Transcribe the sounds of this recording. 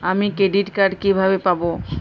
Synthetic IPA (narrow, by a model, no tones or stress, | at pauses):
amikɾeɖiʈkaɾɖkibʱabepabo